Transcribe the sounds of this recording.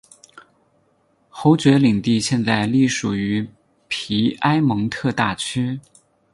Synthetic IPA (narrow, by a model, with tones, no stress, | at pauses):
xo˧˥ʊt͡ɕɥɛ˧˥li˨˩ŋt̪i˥˧ɕjɛ˥˧nt͡sa˥˧ɪli˥˩ʂu˨˩y˧˥ | pʰi˧˥a˥ɪmɤ˧˥ŋt̪ʰɤ˥˧t̪a˥˩t͡ɕʰy˥